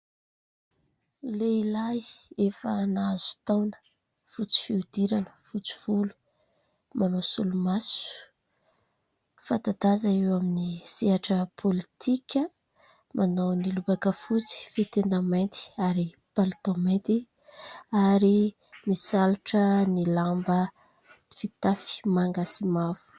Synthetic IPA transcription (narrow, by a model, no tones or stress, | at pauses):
leilajefəːnaz̥u̥t̪awnə̥ | fut͡si̥fiud̪̥iɾanə̥fut͡si̥v̥ulu̥ | manosulumasu̥u̥ | fat̪ad̪azaiwaminisiɦaʈ͡ʂəpʰolit̪ʰikʲə | mʔanawnilubakəfut͡si̥fet̪end̪amajnt̪i̥aɾi | palt̪omajnt̪i | aɾi | misaluʈ͡ʂənilambə | fit̪afi̥maŋɡasimavu̥